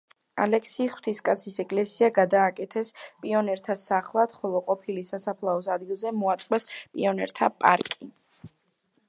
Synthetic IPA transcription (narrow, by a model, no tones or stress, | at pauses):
a̰lɛkʰsiːχw̥t̪ʰiskʼat̪sʰisɛkʼlɛsiaɡad̪aːkʼɛt̪ʰɛspʼiɔnɛɾt̪ʰasaχlˠad̪̥χɔlˠɔqʼɔpʰilisasapʰlˠaɔs̬ad̪̚ɡilˠzɛmɔat̪sʼqʼwɛspʼḭɔnɛɾt̪ʰapʼa̰ɾkʼi